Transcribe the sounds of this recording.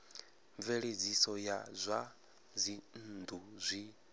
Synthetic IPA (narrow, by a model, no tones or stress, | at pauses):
ɱveɺed͡zisɔjazʷa | zʷin̩d̪uzʷi